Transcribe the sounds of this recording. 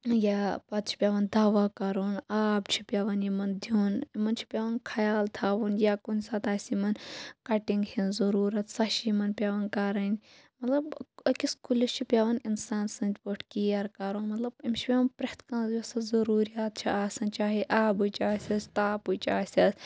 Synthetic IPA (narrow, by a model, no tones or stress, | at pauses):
japɐt̪̚t͡ʃʰi̥pʲjaːʋɐnd̪aːʋakɐɾoːnaːbt͡ʃʰi̥pʲjaʋɐnimɐnd̪ʱjoːnimɐnt͡ʃʰi̥pʲaːʋɐnkʰɐjaːlt̪ʰaːʋunjakunsaːt̪aːsʲimɐnkɐʈiŋɡhinzɐɾuːɾɐt̪sɐʃimɐnpʲjaʋɐnkɐɾɐnʲ | mɐt̪lɐbkiskulist͡ʃʰipʲjaʋɐninsaːnsɐnt͡ʃʲpoʈʰkiːjɐɾkɐɾoːnmɐt̪lɐbimt͡ʃʰi̥pʲaʋɐnpɾɐht̪kɐ̃nzɐsɐzɐɾuːɾijaːt̪̚t͡ʃʰiaːsɐnt͡ʃaːɦiʔaːbut͡ʃaːsʲɐst̪aːput͡ʃaːsʲɐs